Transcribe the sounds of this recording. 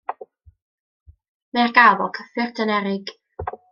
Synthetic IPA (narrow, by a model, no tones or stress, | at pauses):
mɛrɡavɔkʰəfɪrtʰənɛɾɪɡ̥